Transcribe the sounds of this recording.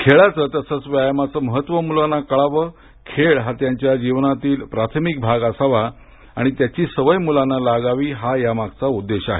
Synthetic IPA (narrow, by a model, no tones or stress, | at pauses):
kʰeɭat͡səːt̪jasət͡sʋjajmat͡səməɦət̪ʋəmulanakəɭaʋə | kʰeɭɦat̪jaɲt͡ɕjad͡ʑiʋnat̪iːlpɾat̪ʰəmik̚bʱaɡasəʋa | aɽ̃it̪jat͡ɕiːsəʋəjmulanːalaɡaʋiːɦajamaɡt͡saud̪ːeɕa̰ɦḛ